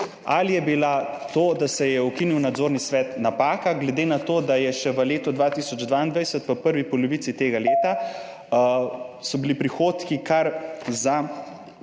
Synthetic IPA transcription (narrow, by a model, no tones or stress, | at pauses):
a̰lijɛbila | t̪oːd̪asɛjɛɔkiniwnad̪zoːɾnisʋɛːt̪napaːkaɡlɛd̪eːnat̪oːd̪ajɛʃɛʋəleːt̪ɔd̪ʋaːt̪isɔd͡ʒd̪ʋaind̪ʋajsət̪pəpəɾʋipɔlɔʋit̪sit̪eːɡaleːt̪a | sɔbilipɾixoːt̪kikaɾza